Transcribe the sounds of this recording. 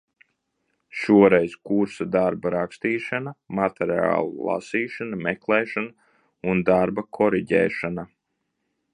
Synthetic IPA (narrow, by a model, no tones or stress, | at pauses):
ʃuɔɾɛjzkuɾsad̪aɾbaɾakst̪iːʃanamat̪ɛɾa̰ːlˠṵlˠa̰siːʃanamɛklˠɛːʃana | und̪aɾbakʰɔɾiɟɛ̰ːʃana